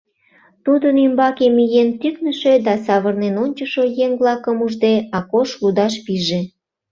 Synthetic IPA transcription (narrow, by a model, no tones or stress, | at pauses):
t̪ud̪ənymbɑkemyjent̪yknəʃe̽d̪ɑsɑβərnenonʲt͡ɕəʃojeŋβlɑkəmuʒd̪eɑkoʃlud̪ɑʃpiʒe